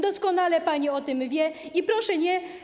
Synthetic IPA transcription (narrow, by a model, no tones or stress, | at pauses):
d̪ɔskɔnalɛpaɲiɔt̪ɘmvʲjɛipɾɔʂɛɲɛ